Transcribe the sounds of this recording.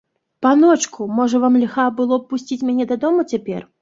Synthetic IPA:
panɔt͡ʂkʰumɔʐɐvamlʲixabɨlˠɔpːusʲt͡sʲit͡sʲmʲanʲɛd̪ad̪ɔmut͡sʲapʲɛ̰r

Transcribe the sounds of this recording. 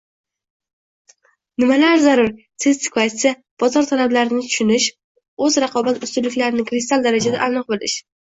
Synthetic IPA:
nɪmalaɾzaɾʊɾ | sɪzsɪ̥kʰɒjsɪ | b̥ɒzɒɾt̪ʰalablaɾɪnɪt̪ʰʊ̥ʃʊnɪʃ | ɵzɾɑqʰɒbat̪ʊst̪ʊlɪkʲlaɾɪnɪkʰɾɪst̪alˠd̪aɾad͡ʒad̪a̰ʔanɨq̚bolɪ̰ʃ

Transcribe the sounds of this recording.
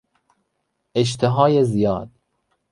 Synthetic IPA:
eʃ̬t̪ʰeɦɒːjezijɒ̰ːd̪̥

